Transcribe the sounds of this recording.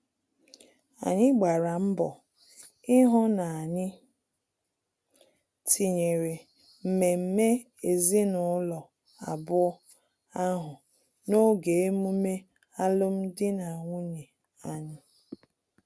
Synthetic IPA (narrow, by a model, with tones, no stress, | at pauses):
a̰˨ɲɪ˦ɡ͡ba˨ɾa˨m̩˦bɔ˨ | ɪ˦ɦʊ˦na˨a˨ɲɪ˦ | tʰi˨ɲe˨ɾe˨ | m̩˨me˨m̩˦me˦ | e˨zi˦nʊ˨˦lɔ˨ | a̰˨bʊ˦ | a˦ɦʊ˨ | no˦ɡe˨e˦mu˦me˦ | a˦lʊ˦m̩˦dɪ˦na˨ŋʷu˦ɲe˨ | a˨ɲɪ˦